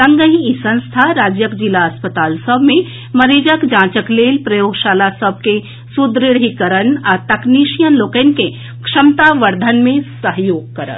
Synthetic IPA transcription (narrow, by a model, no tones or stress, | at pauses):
sɐ̃ŋɡəɦiisɐ̃nst̪ʰaɾaːd͡ʒjəkd͡ʒilaɐspət̪aːlsəbʱmẽ | mɐɾeːd͡ʒəkd͡ʒãːt͡ʃəkleːlpɾɐjoːɡʃaːlasəb̚ʱke | sud̪ɾiɽ̤ikɐɾənaɾt̪ɐkniːʃijənloːkənke | kʂɐmt̪aʋɐɾd̪ʱənmẽsəɦjoːɡ̚kɐɾə̰t̪